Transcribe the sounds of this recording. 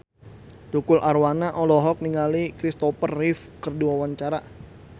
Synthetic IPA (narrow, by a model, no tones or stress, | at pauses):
t͡ʃukʊlʔarwanaʔɔlɔɦɔk̚niŋalikɾist̪ɔpərːɪfkərduawaɲt͡ʃaɾa